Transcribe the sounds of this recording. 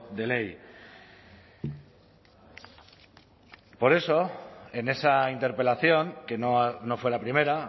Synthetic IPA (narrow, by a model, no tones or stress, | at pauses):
d̪e̞le̞j | po̞ɾe̞so̞e̞ne̞saint̪e̞ɾpe̞laθjo̞ŋke̞nono̞fwe̞lapɾime̞ɾa